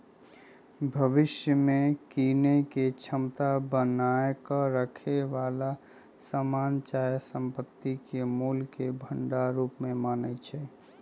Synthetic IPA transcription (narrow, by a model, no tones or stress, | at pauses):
bʱəʋɪʃjəmẽkiːneket͡ʃʰəmt̪abənaːekəɾəkʰeʋaːla | samaːnt͡ʃaːjsə̃mpət̪ːikemuːlkebʱə̃ɳɖaɾuːpmẽmaːnət͡ʃʰɛ